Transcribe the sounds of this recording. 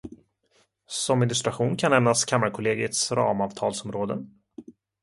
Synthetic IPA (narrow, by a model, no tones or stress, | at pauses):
sɔmːɪnlɵst̪ɾaɧuːnkʰanɛmnaskʰamːaɾkʰʊleːɡəʈsɾɑ̰ːmɑːvt̪ʰɑːlsɔmɾoːd̪ə̰